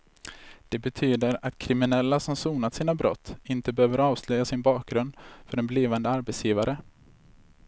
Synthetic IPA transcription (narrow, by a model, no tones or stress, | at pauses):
d̪̥ɛbɛt̪ʰyːd̪əɾat̪kʰɾɪmɪnɛlːasɔmsuːnat̪siːnabɾɔ̰t̪ʰːɪnt̪əbɛhøːvəɾɑːvslœjːasɪnbɑːk̚ɡɾɵnd̪fœɾɛnbliːvand̪əaɾbɛt̪sjiːvaɾʔə